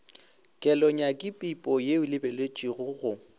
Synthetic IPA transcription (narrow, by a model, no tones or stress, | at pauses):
kʼɛlɔɲakʼɪpʼipʼɔjeʊlɪbelet͡ʃʼiɣʊɣʊ